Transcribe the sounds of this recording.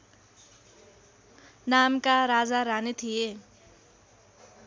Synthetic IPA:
namkaɾad͡zaɾanit̪ʰije

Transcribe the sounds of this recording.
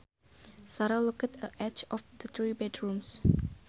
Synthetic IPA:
saɾalukətʰəʔɛt͡ʃɔfd̪ət̪ɹibɛdɹũms

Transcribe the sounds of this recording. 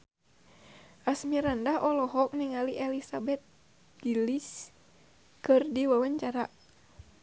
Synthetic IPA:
ʔasmiɾandaɦʔɔlɔɦɔk̚niŋaliʔɛlisabɛt̪̚ | d͡ʒilis | kɨrdiwawaɲt͡ʃaɾa

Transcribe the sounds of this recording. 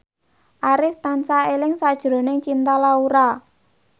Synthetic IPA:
ʔaɾɪft̪ansaelɪŋsad̥ʒ̥ɾo̤nɪŋt͡ʃint̪alauɾa

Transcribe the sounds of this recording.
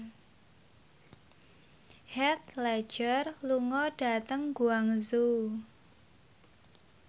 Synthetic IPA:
hɛt̪lɛ̥d͡ʒərluŋɔɖ̥a̤t̪əŋɡuaŋzu

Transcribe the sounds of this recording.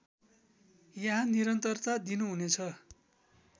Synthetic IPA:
jaɦãniɾʌnt̪ʌrt̪ad̪inuɦunet͡sʰʌ

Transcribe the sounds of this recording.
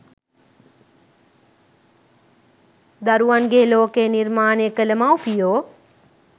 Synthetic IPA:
d̪ɐɾuənɡeːloːkeːnɪɾmaːnekələmaːupijoː

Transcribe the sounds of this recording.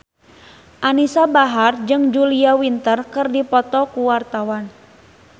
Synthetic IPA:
ʔanisabaɦard͡ʒɨŋd͡ʒuliawint̪ərkɨrdipɔt̪ɔkuwart̪awan

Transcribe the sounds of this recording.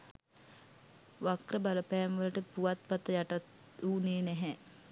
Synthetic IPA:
ʋakrəbaləpɛːmʋələʈəpuʋat̪̚pat̪əjaʈat̪ | uːneːnɛɦɛ

